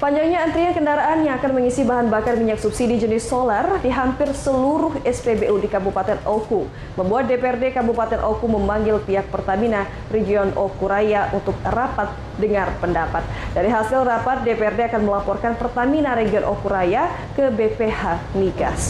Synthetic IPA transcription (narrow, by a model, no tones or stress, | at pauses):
paɲd͡ʒaŋɲaːnt̪ɾiankəndaɾaʔanjaŋakanməŋisibaɦanbakarmiɲaksupsidid͡ʒənɪsolardiɦampɪrsəluɾʊhɛspebeʔudikabupat̪ɛnʔoku | məmbuat̪̚depeɛrdekabupat̪ɛnʔokuməmaŋɡɪlpiɦak̚pərt̪amina | reɡiɔnokuɾajaʔunt̪ʊk̚rapat̪̚ | dəŋarpəndapat̪̚daɾiɦasɪlrapat̪̚depeɛrdeakanməlapɔrkanpərt̪aminaɾeɡiɔnʔo̰kuɾaja | kəbepehaniɡa̰s